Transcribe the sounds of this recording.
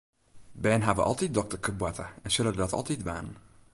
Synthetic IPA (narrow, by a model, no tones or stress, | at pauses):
bɛːnɦavə̰ʔɔ̰lˠtit̚dɔk̚təkʰəbwɛtʰəɛnsɵləədɔtɔ̰lˠtitʋa̰n